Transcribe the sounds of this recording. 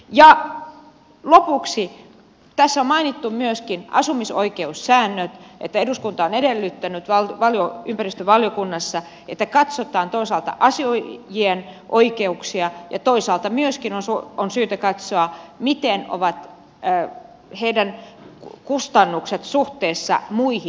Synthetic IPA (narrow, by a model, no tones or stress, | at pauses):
jɑ | lopuksi | t̪æsːæommɑinit̪ːumyøskinʔɑ̰sumiso̰ikeussæːnːøt̪ʔḛt̪ːæeduskunt̪ɑonedelːyt̪ːænyt̪ʋɑlʋɑljoympærist̪øʋɑljokunːɑsːɑ | et̪ːækɑt̪sot̪ɑːnt̪oisɑːlt̪ɑ̰ʔɑsiojienʔoikeuksiɑjɑt̪oisɑːlt̪ɑmyøskinonsuonsyːt̪ækɑt̪soɑmit̪eno̰ʋɑt̪ː | heidæn | kust̪ɑnːukset̪suht̪eːsːɑ̰muihi